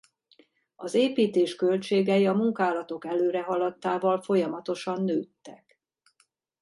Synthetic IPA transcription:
ɒzeːpiːt̪eːʃkø̞lt͡ʃeːɡɛjiɒmuŋkaːlɒt̪o̞kɛløːɾɛɦɒlɒt̪ːaːvɒlfo̞jɒmɒt̪o̞ʃɒnːøːt̪ːɛk

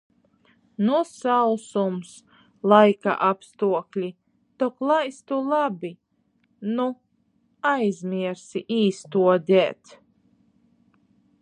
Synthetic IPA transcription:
nusawsums | lˠajka̰ʔapst̪uɔklʲi | t̪ɔklˠajst̪ulˠabi | nu | ajzʲmʲiɛɾsiʔiːst̪uɔd̪ʲɛːt̪

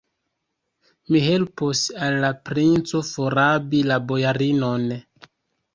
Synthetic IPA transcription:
miɦe̞lposalːapɾint͡so̞foɾabilabo̞jaɾinon

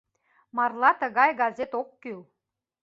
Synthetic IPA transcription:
mɑrlˠɑt̪ə̆ɣɑjɡɑzet̪okːyl

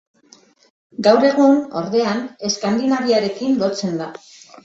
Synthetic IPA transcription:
ɡawɾe̞ɣ̞uno̞̰ɾðe̞ane̞skand̪inaβiaɾe̞kinlo̞t͡se̞nd̪a

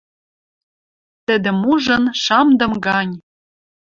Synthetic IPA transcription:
t̪ɘ̆d̪ɘ̆muʒɤ̆nʃɑmd̪ɤ̆mɡɑnʲ

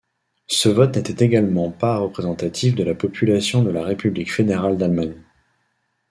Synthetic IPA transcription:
səvɔt̪nɛt̪ɛt̪eɡalmɑ̃paʁəpχezɑ̃t̪at̪ʰifd̪əlapɔpʰylasjɔ̃d̪əlaʁepyblikfed̪eʁald̪almaɲ

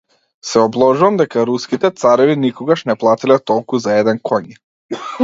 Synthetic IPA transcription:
sɛɔblˠɔʒuvamd̪ɛkaɾuskit̪ɛt̪saɾɛvinikɔɡaʃnɛplˠat̪ilɛt̪ɔlˠkuzaɛd̪ɛnkʰɔɲi

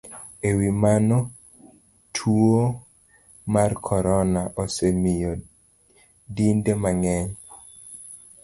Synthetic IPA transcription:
ewimanɔ | tʰuo | markʰɔɾɔnaʔɔsemijo | dindemaŋɛɲ

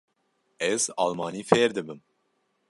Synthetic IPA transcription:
ɛzɑ̰ːlmɑːniːfeːɾd̪ɨbɨm

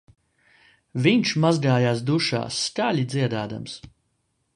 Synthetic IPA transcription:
viɲt͡ʃmazɡaːjaːsd̪uʃa̰ːsːkalʲid̪ziɛd̪aːd̪a̰ms

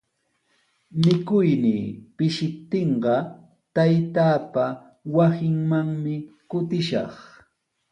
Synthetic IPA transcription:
mɪkʊjniːpɪʃɪp̚t̪ɪɴɢɑ | t̪ajt̪aːpa | wasɪŋmaŋmɪkʊt̪ɪʃɑ̰χ

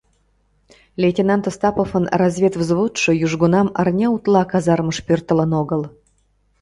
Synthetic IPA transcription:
lʲetʲenant̪əst̪ɑpofənrazʲvʲet̪vzvot̪ʃɨ̆juʐɡonɑma̰rnʲaut̪lˠɑkazɑrməʂpʲørt̪ə̆lənoɡəlˠ

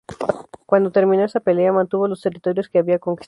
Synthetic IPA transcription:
kwand̪o̞t̪e̞ɾmino̞esape̞leamãnt̪uβolo̞st̪e̞rit̪o̞ɾjo̞skeaβiako̞ŋki̥s

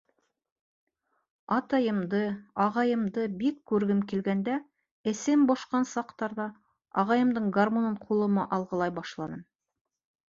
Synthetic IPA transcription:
ɑt̪ɑjɤ̆md̪ɤɑʁɑjɤ̆md̪ɤbikkʉɾɡɘmkilɡænd̪æ | ɘ̆sɘmboʃqɑnsɑqt̪ɑɾðɑ | ɑʁɑjɤ̆md̪ɤɴɡarmononqʰulˠɤ̆mɑʔɑlˠʁɤ̆lˠɑjbɑʃlˠɑnɤm

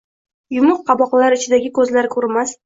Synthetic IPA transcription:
jʊmʊqqːɑbɒqlaɾɪt͡ʃʰɪd̪aɡʲɪkʰɵzlaɾkʰɵɾmas

